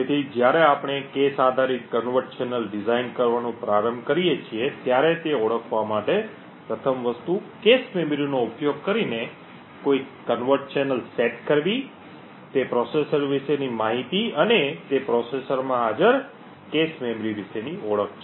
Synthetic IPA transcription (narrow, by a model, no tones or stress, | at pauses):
d͡ʒet̪ʰid͡ʒjaɾeapɽ̃ekesad̪ʱaɾikːənʋəɾʈ̚t͡ʃenəlɖɪzainkəɾʋanũpɾaɾəmkəɾijet͡ʃʰiet̪jaɾet̪eɔɭəkʰʋamaʈe | pɾət̪ʰəmʋəst̪ukesmemɾionoupjoɡ̚kəɾine | koikənʋəɾʈ̚t͡ʃenəlseʈkəɾʋi | t̪epɾɔsesəɾʋiʃenimaɦit̪iənet̪epɾɔsesəɾmãad͡ʒəɾ | kesmemɾiʋiʃeniɔɭək̚ʰt͡ʃʰe